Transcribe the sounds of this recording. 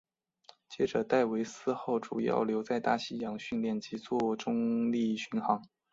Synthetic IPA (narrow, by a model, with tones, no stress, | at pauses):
t͡ɕjɛ˥ʈ͡ʂɤ˨˩t̪a˥˩ɪwe˧˥ɪsɹ̩˥˧xo˥˩ʊʈ͡ʂu˨˩jɑ̰˥˩ʊljo˧˥ʊt͡sa˥˧ɪt̪a˥˩ɕi˥jɑ˧˥ŋɕy˥˧nljɛ˥˩nt͡ɕi˧˥t͡swɔ˥˩ʈ͡ʂʊ˥ŋli˥˩ɕy˧˥nxɑ˧˥ŋ